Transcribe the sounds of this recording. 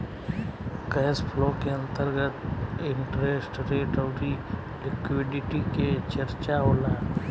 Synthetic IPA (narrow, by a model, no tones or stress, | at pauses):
kɛːspʰloːkeɐ̃nt̪əɾɡət̪ɪ̃ɳʈɾeːsʈɾeːʈəːɾi | lɪkwɪɖɪʈiket͡ʃəɾt͡ʃaɦoːlaː